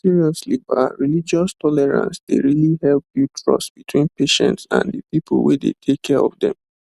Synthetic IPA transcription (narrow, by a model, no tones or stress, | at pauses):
siɹiɔsliba̰ɪɹilid͡ʒɔstʰɔlɛɹã̰nsdeɹilihɛlpdutʰɹɔ̰ssb̥itʰw̥ĩnpeʃɛ̰̃ntsã̰ndəpipolˠwedḛtʰekkʰːɛɹɔvdɛ̰̃m